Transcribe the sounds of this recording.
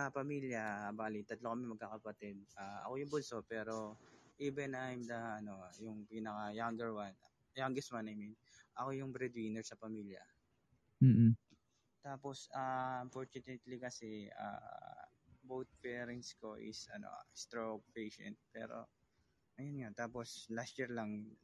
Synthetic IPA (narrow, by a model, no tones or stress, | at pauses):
ɐpɐmiːljɐbaːlɪt̪ːɐt̪lokɐmɛmɐɡ̚kaːkɐpɐt̪ɛd̪̚ʔaːʔɐ̰ko̞jʊŋbʊlso̞ʔpɛːɾo̞ʔiːbɛnajmd̪ɐʔɐno̞jʊŋpiːnɐkajaŋɡɛɹwan | jaŋɡɛst̪wanɐjminʔɐko̞jʊŋbɾɛd̪wiːnɛɹsɐpɐmiːljɐ̰ | m̩ː | t̪aːpo̞saɐmpoɹt͡ʃʊnɛt̪likɐsɛa̰ | bowt̪̚pɛːɾɐnt̪sko̞ʔɪ̰sɐno̞̰st̪ɾopejʃɛ̰nt̪̚pɛ̰ːɾo̞̰ | ʔɐjonŋat̪aːpo̞slast̪t͡ʃiɹlɐŋ